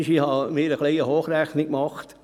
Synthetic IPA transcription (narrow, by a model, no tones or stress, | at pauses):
ʃihɑmɪːɾəχliɪəhoːχræχnɪkmɑχt